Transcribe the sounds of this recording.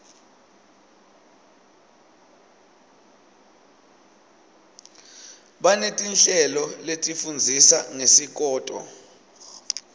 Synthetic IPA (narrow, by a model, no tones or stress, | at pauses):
ɓanetʼinɬɛlɔletʼifund͡zʱisaŋesik̬ʼɔːtʼɔ̰